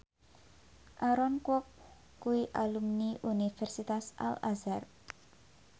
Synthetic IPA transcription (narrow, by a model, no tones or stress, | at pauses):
ʔaɾɔnkwɔk̚ː | uiʔalumniʔunifɛrsit̪asa̰lazar